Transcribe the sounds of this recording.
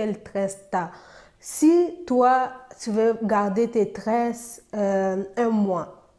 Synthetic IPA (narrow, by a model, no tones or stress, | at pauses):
ɛlt̪ʁɛst̪a | sit̪wat̪yvøɡaʁd̪et̪et̪ʁɛs | ɛ̃mwa